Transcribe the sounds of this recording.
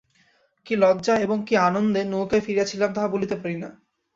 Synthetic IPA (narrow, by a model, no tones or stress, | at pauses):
kilɔdd͡ʑaeboŋkianond̪enukafiɾijat͡ɕʰilamt̪aɦabolit̪epaɾina